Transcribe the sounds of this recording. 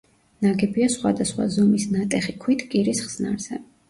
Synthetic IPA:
naɡɛbiasχwa̰d̪asχwa̰zɔmisnat̪ʼɛχikʰwit̪ʰkʼiɾisχz̥na̰ɾz̥ɛ

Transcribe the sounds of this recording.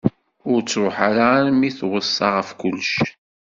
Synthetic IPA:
ʊɾt͡sːɾʊħaɾanmiθwəsˤːɑʁəfkʊlːʃ

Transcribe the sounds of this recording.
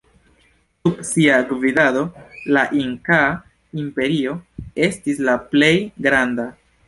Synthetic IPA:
subsiaɡvidado̞laʔiŋka | impe̞ɾio̞e̞stislaple̞jɡɾanda

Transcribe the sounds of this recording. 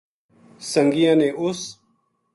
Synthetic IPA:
səŋɡɪjãːneːʔʊs

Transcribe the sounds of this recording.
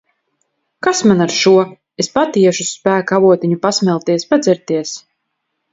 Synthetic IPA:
kasmanaɾʃuɔ | espat̪iɛʃuspæːkavuɔt̪iɲupasmʲɛlˠt̪iɛspad̪zɛɾt̪iɛs

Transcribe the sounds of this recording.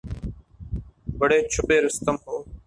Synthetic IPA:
bəɽeːt͡ʃʰʊɓeːɾəst̪əmɦoː

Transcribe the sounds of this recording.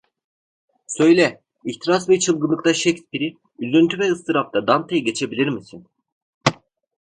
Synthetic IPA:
sø̞jlʲɛ | içt̪ʰiɾasvɛt͡ʃʰɯlˠɡɯnːˠɯk̚t̪ʰaʃɛcspiɾi | ylʲːønt̪ʰyvɛɯst̪ʰɯɾap̚t̪ʰad̪ant̪ʰejɟe̞t͡ʃʰe̞bilʲiɾmisin

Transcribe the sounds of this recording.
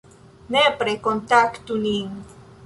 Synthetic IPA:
nepɾekont̪akt̪uniŋ

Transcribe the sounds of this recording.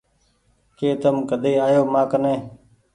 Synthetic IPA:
keːt̪əmkəd̪eːaːjoːmãːkənẽː

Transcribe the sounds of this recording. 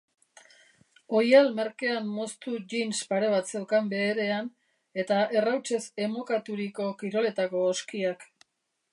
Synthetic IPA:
o̞jalme̞ɾke̞amːo̞st̪uʝinspaɾe̞β̞at̪t͡se̞wkambe̞ːɾe̞an | e̞t̪aʔe̞rawt͡ʃe̞se̞mo̞kat̪uɾiko̞kiɾo̞le̞t̪ako̞ːskiak

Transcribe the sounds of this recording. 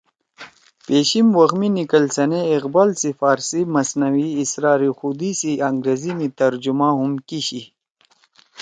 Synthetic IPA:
peːɕimwɐɣminikəlsɐneiqbaːlsifaːɾsimɐsnɐwiːsɾaːɾixud̪isiɐŋɡɾeːzinit̪ɐɾd͡ʑumãɦumkiɕi

